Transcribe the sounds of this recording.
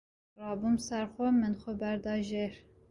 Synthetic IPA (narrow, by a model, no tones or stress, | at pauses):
rɑːbumsæɾxomɨnxɔbæɾd̪ɑːʒeɾ